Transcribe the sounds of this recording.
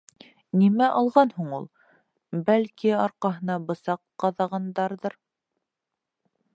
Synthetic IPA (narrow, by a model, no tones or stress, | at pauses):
nimæʔɑlˠʁɑnhuɴulˠ | bælkiɑɾqɑɦɤ̆nɑbɤ̆sɑqːɑðɑʁɑnd̪ɑɾðɤɾ